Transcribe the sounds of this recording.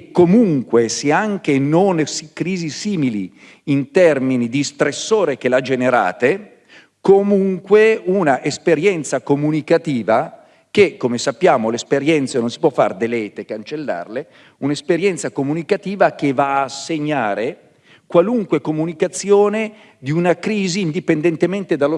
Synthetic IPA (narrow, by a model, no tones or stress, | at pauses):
komuŋkweseaŋk̟enonsikɾiːzisiːmilḭ | int̪ɛrminid̪ist̪ɾesːoːɾekelad͡ʒeneɾa̰ːt̪e | komuŋkweunaʔespeɾjɛnt̪sakomunikat̪iːva | k̟ekːomesapːjaːmolespeɾjɛnt̪senonsipwɔfːa̰rd̪elɛːt̪ekːant͡ʃelːa̰rle | unespeɾjɛnt̪sakomunikat̪iːvakevaːsːeɲːaːɾe | kwaluŋkwekomunikat̪sːjoːne | d̪iunakɾiːziːnd̪ipend̪ent̪ement̪ed̪alo